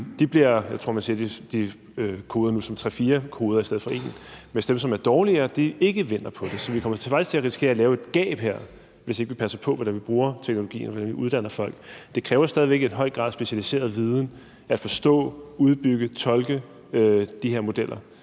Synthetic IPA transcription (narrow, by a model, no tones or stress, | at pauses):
d̥ib̥liɐjɑaɪt͡sʰo̝ɐ̰mænsiɐ̰d̥id̥i | økʰo̝ːðˠɐnusɒ̽mt͡sʰʁɛfiːɐkʰo̝ːð̞ˠɐisd̥eð̩ˠfɒ̽e̝̰ːnmensd̥emsɒ̽mæɐd̥ɒːliɐd̥ie̝ɡ̥əʋen̰ɐpʰɒ̽d̥e̝sɒ̽ʋikʰɒ̽m̰ɐt͡sʰe̝fɑ̈ɪst͡sʰe̝æɐʁisi̥kʰe̝̰ɐlɛːʊe̝d̥ɡ̥ɛ̰ːb̥ɦeɐ̰ | ʋe̝se̝ɡ̥əʋipʰæsɐpʰɒ̽ʋɒdænʋib̥ʁuːɐt͡sʰeɡ̥no̝lo̝ɡ̥ḭːnɒʋɒd̥ænʋiuð̞ˠd̥æn̰ɐfɒ̽l̰ɡ̥d̥e̝kʰʁɛːʊɐsd̥ɛːðˠiʋeɡ̥e̝nɦɒ̽ɪ̰ɡ̥ʁɑ̰̈ðˠsb̥e̝ɕælise̝̰ːɐð̞̩ˠʋið̞ˠn̩ | ʔæd̥fɒ̽sd̥ɔ̰̽ːuð̞ˠb̥yɡ̥ət͡sʰɒ̽lɡ̥ə | ød̥ihe̝ɐ̰mo̝d̥el̰ɐ